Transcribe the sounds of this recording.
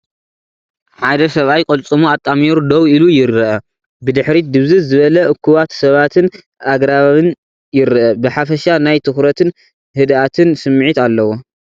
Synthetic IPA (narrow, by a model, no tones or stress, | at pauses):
ħad̪ɐsɐβajkʼɐlt͡sʼɨmuat̪ʼːamjeɾud̪ɐwilujɪɾːɨʔɐ | bɨd̪ɨħɾid̪ɨβzɨzɨβɐlɐʔɨkʰːuβat̪sɐβat̪ʰɨn | ʔaɡɾaβaβɨn | jɪɾɨʔɐbɨħafɐʃanajt̪ʰɨxɾɐt̪ʰɨn | hɨd̪at̪ʰɨnsɨmːʕit̪alːɐwo